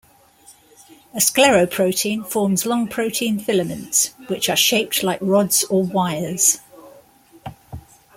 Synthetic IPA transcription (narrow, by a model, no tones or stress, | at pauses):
əsklɛɹəʊpʰɹ̥əʊtʰĩːnfɔːmzlɒ̃ŋpʰɹ̥əʊtʰĩːnfɪləmə̃ntswɪt͡ʃəʃeɪp̚tʰlaɪkɹɒdz̥əwaɪəz̥